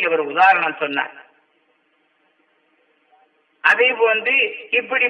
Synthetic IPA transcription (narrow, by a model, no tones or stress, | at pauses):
ɐʋɐɾʊðaːɾɐɳɐmsɔnːa̰ːɾ | ɐðɐɪpɐnd̪ɯɪpːɐɽi